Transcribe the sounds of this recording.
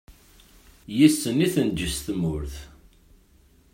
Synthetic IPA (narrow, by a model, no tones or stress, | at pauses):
jisːəniθənd͡ʒ̪ːəst̪mʊɾθ